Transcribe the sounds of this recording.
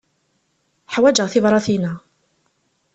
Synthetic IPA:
ħawæd͡ʒaθɪvɾˤɑθina

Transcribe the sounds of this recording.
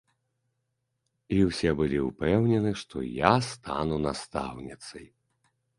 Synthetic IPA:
iwsʲɛbɨlʲiupɛwnʲɛnɨʂt̪ɔ̰jast̪ʰanunast̪a̰wnʲit̪sɐj

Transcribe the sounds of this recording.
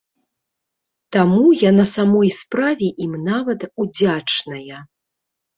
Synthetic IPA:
t̪amujanɐsamɔjspɾavʲɛʔimnavɐt̪ud͡zʲat͡ʂnɐjɐ

